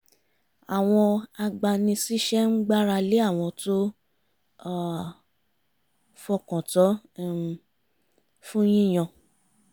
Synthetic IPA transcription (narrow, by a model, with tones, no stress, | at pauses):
a˨w̃ɔ̃˧a˧ɡ͡ba˧nĩ˧si˦ʃɛ˦n̩˦ɡ͡ba˦ɾa˧le˦a˦˨w̃ɔ̃˧to˦˨ | fɔ˧kɔ̃˨tɔ˨˦˨ | fũ˦j̃ĩ˦˨j̃ɔ̃˧